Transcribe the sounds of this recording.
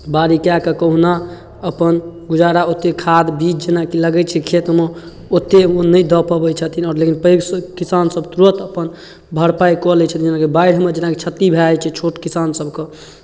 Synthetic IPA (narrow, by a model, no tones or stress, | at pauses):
baɾikakekəɦuna | əpənɡud͡ʒaɾaot̪ːekʰad̪bit͡ʃd͡ʒenakiləɡɛt͡ʃʰɛkʰet̪me | ot̪ːeonəjd̪ɔpəbəjt͡ʃʰət̪inɔːɾlekinpəɡskisansəbt̪ɾət̪əpən | bʱəɽpajkɔlɛt͡ʃʰət̪ind͡ʒenakebaiɽ̤med͡ʒenaket͡ʃʰət̪ːibʱeajt͡ʃʰɛt͡ʃʰoʈkisansəbʱke